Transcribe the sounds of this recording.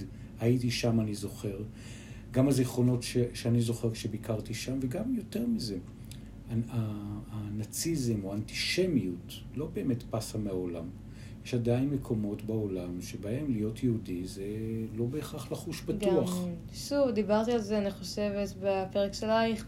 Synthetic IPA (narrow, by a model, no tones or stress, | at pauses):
ait̬iʃamanizo̞χe̞ʁ | ɡamaziχo̞no̞tʃeʃeanizo̞χeʁkʃebikaʁtiʃamveɡamjo̞te̞ʁmize̞ | aaː | nat͡sizemoanti̥ʃe̞miut | lo̞be̞ːme̞tpasameao̞lam | jeʃadainmekʰo̞mo̞tbaolamʃebae̞mlijo̞tjeudizelo̞beːχaχlaχuʃbatɡuaχ | ʃuvd̪ibaʁt̪ialzeaniχo̞ʃevetbapeʁekʃelajχ